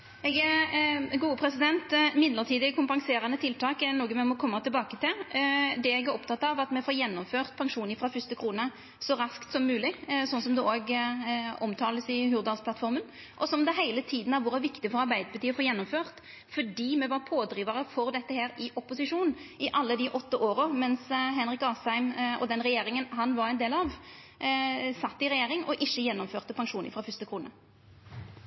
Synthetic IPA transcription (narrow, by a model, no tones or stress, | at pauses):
ɛɡ | ɡuːəpʰɾɛsɪd̪ɛnt̪mɪd̪ləʁt̪ʰiːd̪ɪkʰʊmpɑŋseːɾɑnət̪ʰɪlt̪ʰɑːkɛnoːɡəmɛmɔkʰɔmːɑt̪ʰɪlbɑːkət̪ʰɪld̪ɛɛɡæɾɔpt̪ʰɑt̪ːɑʋɑt̪mɛfoːɾjɛnːɔmføːʁt̪pʰɑŋʂuːnɪfɾɑfʏst̪əkʰɾuːnə | sɔɾɑskt̪sɔmːʉːlɪsɔnsɔmd̪ɛoːɡ | ɔmt̪ʰɑːləsɪɦʉɾd̪ɑlsplɑt̪fɔɾmən | ʔɔsɔmd̪ɛɦæɪlət̪ʰiːd̪n̩ɑɾʋʊɾɑʋɪkt̪ɪfɔɾɑɾbæɪd̪əɾpɑt̪iːəfoːɾjɛnːɔmføːʁt̪ | fɔɖiːmɛʋɑɾpʰoːd̪ɾiːʋəɾəfɔɾd̪ɛt̪ːəheːɾɪʔɔpːʊsɪʂuːnɪʔɑlːəd̪iʔɔt̪ːəʔoːɾəmɛnsɦɛnɾɪkɑːsæɪmʔɔ̰d̪ɛnɾɛjeːɾɪŋənɦɑnʋɑɾɛɪnd̪eːlɑʋ | sɑt̪ːɪɾɛjeːɾɪŋɔʔɪçːəjɛnːɔmføːʁt̪əpʰɑŋʂuːnəfɾɑfʏst̪əkʰʁuːnə